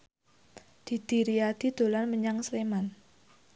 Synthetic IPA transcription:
d̪̥i̤d̪̥i̤ɾiad̪̥i̤d̪̥o̤lanməɲaŋsleman

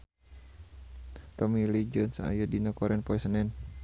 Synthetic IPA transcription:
t̪ɔmilid͡ʒɔnsa̰jadinakɔɾɛnpɔisənɛn

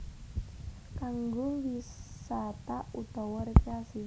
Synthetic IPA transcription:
kaŋɡowissat̪aut̪ɔwɔɾekasi

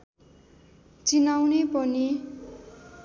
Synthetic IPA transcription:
t͡sinawnepʌni

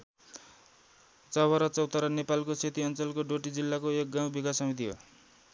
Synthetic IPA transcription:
t͡sʌwʌɾʌt͡sʌwt̪ʌɾʌnepalkoset̪iʌnt͡sʌlkoɖoʈid͡zilːakoek̚ɡãw̃bikasʌmit̪̬iɦo̰

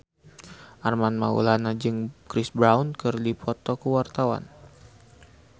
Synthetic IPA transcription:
ʔarmanmaṵlanad͡ʒɨŋkɾɪsbɾawnkɨrdipʰɔt̪ɔkəwart̪awa̰n

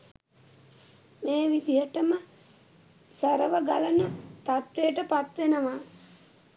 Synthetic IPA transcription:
meːʋid̪iɦəʈəmə | səɾəʋəɡalənət̪at̪ʋejəʈəpat̪ʋenəʋa

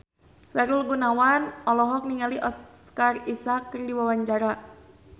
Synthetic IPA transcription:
saɾulɡunawanɔlɔɦɔk̚niŋaliʔɔs | karisakːrdiwawaɲt͡ʃaɾa

